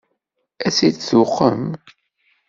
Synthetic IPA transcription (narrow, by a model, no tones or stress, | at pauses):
æsidθuqːə̰m